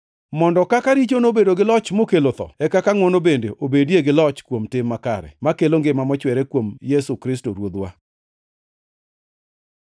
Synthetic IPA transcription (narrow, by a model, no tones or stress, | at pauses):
mɔndɔkakaɾit͡ʃonobedoɡɪlɔt͡ʃmokelot̪ɔ̰ɛkakaŋwɔnobendeʔobedjeɡɪlɔt͡ʃkwomtɪmːakaɾɛ̰makeloŋɡɪmamɔt͡ʃwɛɾekwomjɛsukɾɪstoɾwod̪wa